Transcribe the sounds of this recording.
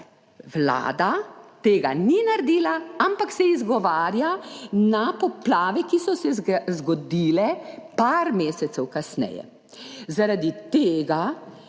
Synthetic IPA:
wla̰ːd̪at̪eːɡaninaɾd̪iːlaampaksɛizɡɔʋaːɾjanapɔplaːʋɛkisɔsɛzɡɔd̪iːlɛpaɾmeːsɛt̪sɛwkasnɛ̰jɛ̰ | zaɾad̪it̪eːɡa

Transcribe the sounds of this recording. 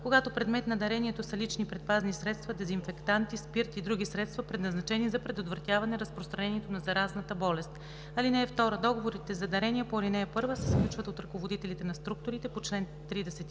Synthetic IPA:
koɡat̪opɾɛd̪mɛt̪nɐd̪ɐɾɛniɛt̪osɐlit͡ʃnipɾɛt̪̚paznisɾɛt̪st̪vɐd̪ɛzinfɛkt̪ant̪ispiɾt̪ʲiːd̪ɾuɡ̟ʲisɾɛt̪st̪vɐpɾɛd̪nɐznɐt͡ʃɛnizɐpɾɛd̪ot̪vɾɐt̪javɐnɛɾɐspɾost̪ɾɐnɛniɛt̪onɐzɐɾaznət̪əbɔlɛst̪ | ɐlinɛːft̪ɔɾəd̪ɔɡovoɾit̪ɛzɐd̪ɐɾɛniəpoɐlinɛːpɤɾvəsɛsklʲut͡ʃvət̪ot̪ɾɐkovod̪it̪ɛlit̪ɛnɐst̪ɾuk̚t̪oɾit̪ɛpot͡ʃlɛn | t̪ɾid̪ɛsɛt̪i

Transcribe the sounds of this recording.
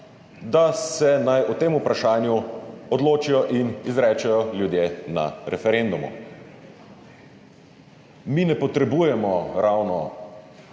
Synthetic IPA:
d̪asɛnajɔt̪eːmupɾaʃaːnjuɔd̪loːt͡ʃijɔʔinizɾɛːt͡ʃɛjɔljud̪jena̰ɾɛfɛɾend̪umṵ | minɛpɔt̪ɾɛbuːjɛmɔɾawnɔ

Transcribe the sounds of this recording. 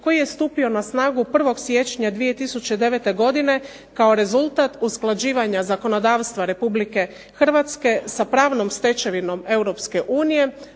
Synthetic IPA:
ko̞jije̞st̪uːpio̞nasnaːɡupr̩ʋo̞ɡsje̞t͡ʃɲad̪ʋije̞t̪isut͡ɕe̞d̪e̞ʋe̞t̪e̞ɡo̞d̪ine̞ | kao̞ɾe̞zulˠt̪at̪usklˠad͡ʑiːʋaɲazako̞no̞d̪aːʋst̪ʋaɾe̞publike̞ | xr̩ʋat̪ske̞sapɾaːʋno̞mst̪e̞t͡ʃeʋino̞me̞uwɾo̞pske̞ʔuːnije̞

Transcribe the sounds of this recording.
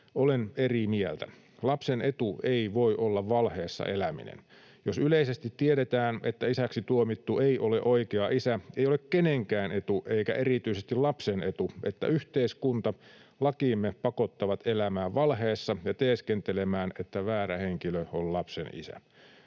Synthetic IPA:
olenerimielt̪æ̰ | lɑpsenet̪uʔeiʋoiʔolːɑʋʋɑlheːsːɑ̰ʔelæmḭnḛn | josyleisest̪it̪tːieɾet̪æːnḛt̪ːæisæksit̪uomit̪ːueiʔoleʔoikeɑʔisæeijolekkeneŋkæːne̞t̪uʔeikæ̰ʔerit̪yisest̪ilɑpsenet̪uʔet̪ːæ̰yht̪eiskunt̪ɑ | lɑkiːmːepɑkot̪ːɑʋɑt̪ʰelæmæːʋʋɑlɦeːsːɑjɑt̪eːskent̪elemæːnet̪ːæʋæːɾæheŋkiløollɑpsḛnḭsæ̰

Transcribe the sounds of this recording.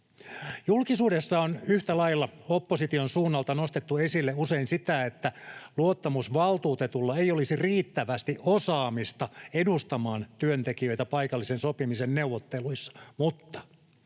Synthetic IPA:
julkisuːdesːɑonyht̪ælɑilːɑopːosit̪ionsuːnːɑlt̪ɑnost̪et̪ːuesilːeuseinsit̪æet̪ːæluot̪ːɑmusʋɑlt̪uːt̪et̪ulːɑeijolisiriːt̪ːæʋæst̪iʔʔosɑːmist̪ɑedust̪ɑmɑːnt̪yønt̪ekiø̞it̪æpɑikɑlːisensopimisenneuʋːot̪ːeluisːɑ̥mut̪ːɑ̥

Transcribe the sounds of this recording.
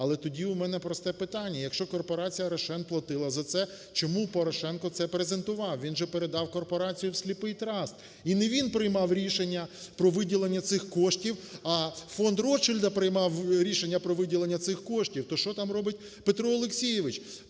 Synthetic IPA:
ɐlˠɛt̪ɔdʲiʊmɛnɛpɾɔst̪ɛpɪt̪ɑnʲːɐjɐkʃt͡ʃɔkɔrpɔɾɑt͡sʲijɐɾɐʃɛnplˠɐt̪ɪlˠɐzɐt̪sɛ | t͡ʃɔmupɔɾɔʃɛnkɔt̪sɛpɾezent̪ʊʋɑwʋʲinʒɛpeɾed̪ɑwkɔrpɔɾɑt͡sʲijʊwsʲlʲipɪjt̪ɾɑst̪ | ineʋʲinpɾɪjmɑwɾʲiʃenʲːɐpɾɔʋɪdʲilˠenʲːɐt̪sɪxkɔʃtʲiwɐfɔnd̪rɔt͡ʃɪlʲd̪ɐpɾɪjmɑwɾʲiʃenʲːɐpɾɔʋɪdʲilˠenʲːɐt̪sɪxkɔʃtʲiwt̪ɔʃt͡ʃɔt̪ɑmrɔbɪt̚ʲ | pet̪ɾɔɔlˠeksʲijɪʋɪt͡ʃ

